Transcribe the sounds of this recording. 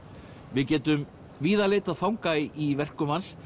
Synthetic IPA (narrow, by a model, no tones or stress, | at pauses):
vɪðcɛːt̪ʏm | viːðaleːt̪aðfawŋkaɪʔivɛr̥kʏmhans